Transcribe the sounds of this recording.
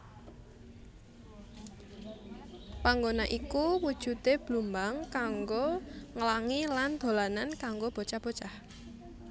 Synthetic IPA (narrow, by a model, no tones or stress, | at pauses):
paŋɡonaʔikuwud̥ʒ̥ṳt̪eb̥lumbaŋkaŋɡoŋəlaŋiland̪̥o̤lanankaŋɡob̥o̤t͡ʃab̥o̤t͡ʃah